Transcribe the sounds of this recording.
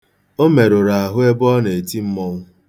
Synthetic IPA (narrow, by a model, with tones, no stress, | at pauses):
o˦me˨ɾʊ˨ɾa˨a˨ɦʊ˦e˦bɔ˦ne˨e˨ti˦m̩˦mɔ˦ŋʊ˦